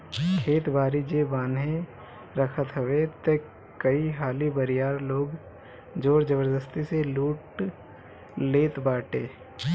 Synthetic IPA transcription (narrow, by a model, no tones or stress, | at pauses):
kʰeːt̪bʱaːɾid͡ʒeːbaːnɦe | ɾəkʰət̪ɦəʋet̪e | kəiɦaːlibəɾɪjaːɾloːɡ | d͡ʒoːɾd͡ʒəbəɾd̪əst̪iseluːʈ | leːt̪baːʈeː